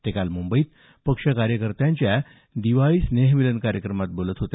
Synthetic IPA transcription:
t̪ekalmumbəiːt̪ | pəkʂakaɾjəkəɾt̪aɲt͡ɕja | d̪iʋaɭiːsneɦmilənkaɾjəkɾəmat̪̚bolət̪ɦot̪

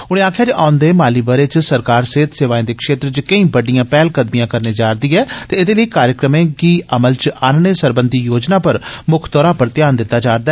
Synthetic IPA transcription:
ʊɽ̃ẽːaːkʰjaːd͡ʒʔaːʊnd̪eːmaːliːbəɾeːt͡ʃsəɾkaːɾseːt̪seːʋaːẽːd̪eːkʰʃeːt̪ɾt͡ʃkəĩːbəɖijãːpɛːlkəd̪mijãːkəɾneːd͡ʒaːɾd̪iːɛːt̪eːɪd̪eːləiːkaːɾjəkɾəmẽːkiːʔəməlt͡ʃaːnneːsəɾbənd̪ʱiːjoːd͡ʒnaːpəɾmʊkʰt̪ɔːɾaːpəɾt̪ɪjaːnd̪ɪt̪ːaːd͡ʒaːɾd̪aː

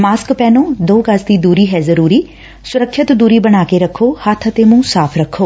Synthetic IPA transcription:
maːskpɛːnõːd̪oːkəsd̪iːd̪uːɾiːɦɛːzəɾuːɾiː | sʊɾəkʃɪt̪d̪uːɾiːbəɽaːkeɾəkʰːoːhət̪ʰət̪eːmũːsaːpʰɾəkʰːoː

